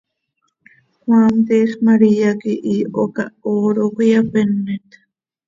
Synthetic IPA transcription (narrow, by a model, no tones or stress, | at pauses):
hwand̪esmaɾiakiʔiʔokaoːɾokʷijapenːet̪